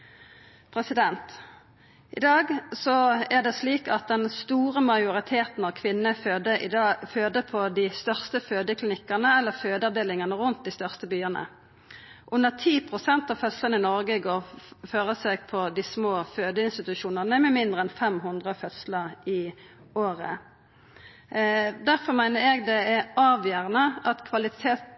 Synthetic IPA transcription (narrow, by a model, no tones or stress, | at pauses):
pʰʁɛsɪd̪ɛnt̪ | ʔɪ̰d̪ɑːɡsɔæʁd̪ɛsliːkɑt̪̚d̪ɛnst̪uːʁəmɑɪʊʁɪt̪ʰeːt̪n̩ɑʋkʰʋɪnːə | føːd̪əpʰɔd̪ɪːst̪œʁst̪əføːd̪əkʰlɪnɪkːənəɛlːəføːd̪əɑʋd̪eːlɪŋənəʁʉnt̪̚d̪ɪst̪œʁst̪əbyːəʁnə̰ | ʔʉnːəʁt̪ʰiːpʰʁʊsɛnt̪ɑʋfœt̪slənəɪnɔʁɡəɡoːʁføːʁəseːɡpʰɔd̪ismoːføːd̪əɪnst̪ɪt̪ʉʃuːnəʁnəmɛmɪnd̪ʁəɛnfɛmɦʊnd̪ʁəfœt̪sləʁɪ | oːʁə | d̪æʁfɔʁmæɪnəɛɡd̪ɛɛɑːʋjœʁnəʔɑt̪kʰʋɑlɪt̪ʰeːt̪